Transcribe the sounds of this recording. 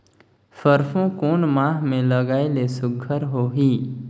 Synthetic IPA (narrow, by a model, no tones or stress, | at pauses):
fəɾfõkoːnmãːɦmẽləɡaːelesʊɡʱəɾɦoːɦiː